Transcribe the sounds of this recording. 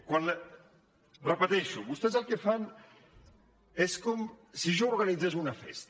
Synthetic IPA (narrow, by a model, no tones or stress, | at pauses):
kwal | bɾapat̪ɛʃukust̪ɛs̬alkefːan | ɛskɔmsiʒoɾɡanid̪zːazuunafɛ̰st̪a